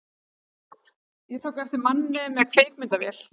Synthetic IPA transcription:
jɛt̪ʰowkɛft̪ɪɾmanːɪmɛkʰfeːjk̚mɪnt̪avɛl̥

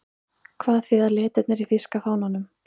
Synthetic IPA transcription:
kʰvaːðθviðalɪːt̪ɛt̪nɪɾiθiskafaːwnanʏm

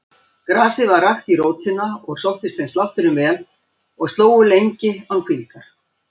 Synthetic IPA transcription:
kɾaːsɪvaɾaxt̪iɾoːwt̪hɪnːaɔɣsowht̪ɪst̪θenst̪aht̪ʏɾʏmvɛːl | ɔɣst̪loːwʏlejɲcɪankʰvilk̪aɾ̥

